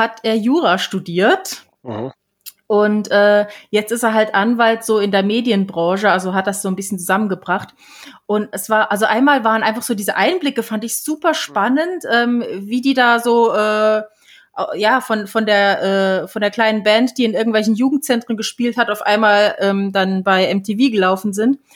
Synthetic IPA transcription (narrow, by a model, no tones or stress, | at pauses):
hatʰʔeːɐjuːʁaʃtudiːɐt | ʔʊntʔɛːjɛt͡stɪsteːɐɦaltʔanvaltz̥oːɪndeːɐmeːdjənbʁɑ̃ːʃəalzoɦat̚d̥asz̥oːnbɪsçənt͡suzamənɡəbʁaχt | ʔʊntɛsv̥aːɐʔalzoʔaɪnmaːlvaːʁənʔaɪnfaχz̥oːdiːzəʔaɪnblɪkəfantɪçz̥uːpɐʃpanəntʔɛːmviːdiːdaːzoːʔɛː | ʔa̰jaːfɔnfɔndeːɐʔɛːfɔndeːɐkʰl̥aɪnənbɛntd̥iːɪnʔɪɐɡŋ̩tvɛlçn̩juːɡŋ̩t̚t͡sɛntʁ̥ənɡəʃpiːlthataʊfʔa̰ɪnmaːlʔɛːmdanbaɪɛmtʰeːviːɡəlaʊfn̩zɪnt